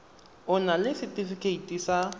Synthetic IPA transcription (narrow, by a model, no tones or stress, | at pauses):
ʊnalɪsɪtifikʰeitʼisa